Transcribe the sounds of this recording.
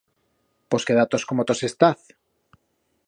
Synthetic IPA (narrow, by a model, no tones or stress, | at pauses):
poskeðat̪oskomot̪osest̪aθ